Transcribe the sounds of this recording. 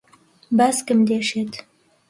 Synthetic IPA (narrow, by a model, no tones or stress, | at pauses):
baskəmd̪eːʃet̪